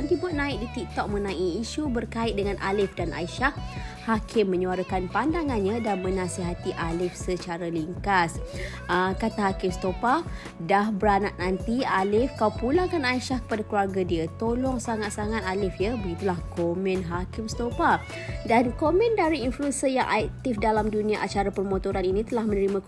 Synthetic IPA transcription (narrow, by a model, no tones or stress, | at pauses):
ant̪ibʊt̪̚nãɪk̚dit̪ik̚t̪ɔk̚mə̃nãʔiːʃubərkaɪt̪̚dəŋanʔa̰lɪfdanʔa̰iʃahhakʰɪmːə̃ɲuaɾəkanpandaŋanɲãdanmə̃nãsiɦat̪iʔalɪfsət͡ʃaɾaliŋkas | ʔəkat̪aɦakɪmst̪opa | dahbəɾanaʔ̪̚nant̪ialɪfkawpulakanaiʃahkə̥padakluaɡadiət̪olɔŋsaŋat̪̚saŋat̪̚alɪfjəbəɡit̪ulahkomɛ̃nɦakɪmst̪opa | dankomɛ̃ndaɾiinfluɛnsijaŋʔa̰k̚t̪ifdalamdunĩaʔat͡ʃaɾapərmõt̪oɾaninĩt̪əlahmənəɾimã